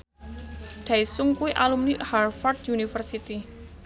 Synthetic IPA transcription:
ɖ̥aisʊŋkuwiʔalumniharfɔrt̪junifərsit̪i

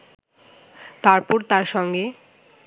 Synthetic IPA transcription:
t̪aɾpuɾt̪aɾʃɔŋɡe

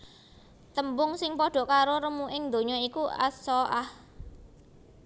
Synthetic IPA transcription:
t̪əmbʊŋsɪŋpɔɖ̥ɔ̤ʔkaɾoɾəmuʔɪŋd̪o̤ɲɔikuʔa̰sɔʔah

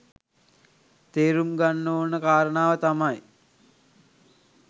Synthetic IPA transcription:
t̪eːɾumɡanːoːnəkaːɾənaːʋət̪amaj

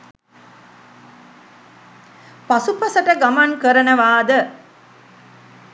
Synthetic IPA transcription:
pasupɐsəʈəɡamaŋkəɾənəʋaːd̪ə

